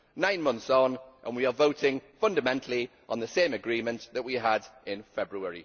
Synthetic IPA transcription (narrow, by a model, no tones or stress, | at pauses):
nãɪ̃nmʌ̃nθsnʔə̰̃nwiəvoʊtɪ̃ŋfʌ̃ndəmɛ̃ntʰəl̩i | ʔə̃nðəsẽɪ̃məɡɹĩːmə̃nʔðəʔwiədɪ̃nfɛbɹuɛɹḭ